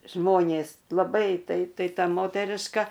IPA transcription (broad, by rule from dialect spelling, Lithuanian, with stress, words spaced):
ˈʒmoːnʲeːs lˠɐˈbɐɪ tɐɪ ˈtɐɪ ˈtɐ ˈmoːtʲɛrʲɪʃkɐ